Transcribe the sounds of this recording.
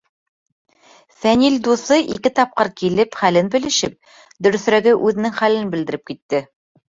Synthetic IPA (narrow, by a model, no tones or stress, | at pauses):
fænild̪uθɤʔikɘt̪ɑp̚qɤɾkilɘpχælɘnbɘ̆lɘ̆ʃɘp̚ | d̪ɵ̆ɾɵ̆θɾæɡɘʔʉðɘ̆nɘŋχælɘnbɘ̆ld̪ɘ̆ɾɘp̚kit̪ːɘ